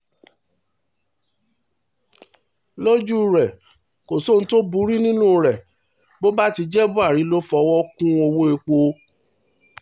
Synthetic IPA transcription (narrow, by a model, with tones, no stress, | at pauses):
lo˦d͡ʒu˦ɾɛ˨ | ko˨so˦˨n̩˦to˦bu˨˦ɾi˦nĩ˦nũ˦˧ɾɛ˨ | bo˦ba˦ti˧d͡ʒɛ˦bu˦a˦˨ɾi˨˦lo˦fɔ˧wɔ˦kũ˦o˧wo˦e˧k͡po˧